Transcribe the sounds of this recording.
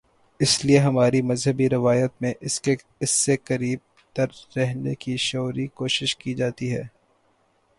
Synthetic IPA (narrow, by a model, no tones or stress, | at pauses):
ɪslieɦɐmaːɾimɐzɦɐbiɾɪʋaːjət̪mẽʔɪse | ɪsːekɐɾiːb̚ | t̪ɐɾːɛɦnekiʃɔːɾikoːʃɪʃkid͡ʒaːt̪iɦɛː